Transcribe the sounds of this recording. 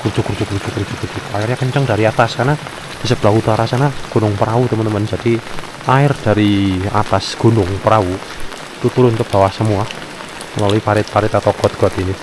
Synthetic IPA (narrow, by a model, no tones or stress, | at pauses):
ɡ̥ud͡ʒ̥ukuɾd͡ʒukud͡ʒukɾud͡ʒukurd͡ʒukaɪrɲakəɲt͡ʃɔŋda̤ɾiat̪askarna | d̥isəb̥lahut̪aɾasanaɡ̥o̤nʊŋpəɾawut̪əmənt̪əmənd͡ʒad̥i | aɪrd̥a̤ɾia̰t̪asɡ̥o̤nʊŋpəɾau | t̪ut̪uɾʊnkəb̥a̤wahsəmua | məlalɔipaɾɪt̪̚paɾɪt̪at̪ɔɡ̥ɔ̤t̪̚ɡ̥ɔ̤t̪ini